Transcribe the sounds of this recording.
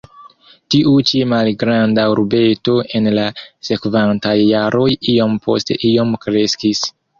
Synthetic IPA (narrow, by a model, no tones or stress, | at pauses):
tiʔut͡ʃimalɡɾandauɾbe̞to̞ʔe̞nlase̞kvantajːaɾʔo̞jio̞mpʰo̞̰ste̞̰ʔio̞mkɾe̞skis